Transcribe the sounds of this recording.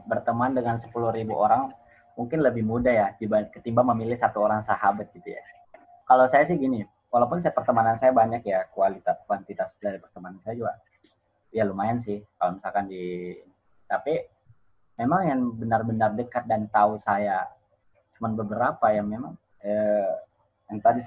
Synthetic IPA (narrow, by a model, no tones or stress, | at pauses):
bərt̪əmandəŋansə̥puluɾibuʔoɾaŋ | muŋkɪnləbɪhmudahjad̪ibakət̪imbaŋməmilɪhsat̪uoɾaŋsahabat̪̚ɡ̥it̪uja̰ | kalawsajasɪhɡini | wʔalawp̬ʊnsat̪̚pərt̪əmanansajabaɲakjakualit̪at̪̚kuwant̪it̪asdaɾipərt̪əmanansajad͡ʒuɡa | ijalumajansɪhkalomisalkandi | t̪api | memaŋjaŋbənarbənardəkat̪̚dant̪ausaja | t͡ʃumanbəbəɾapajaŋmemaŋ | ə | jaŋt̪adi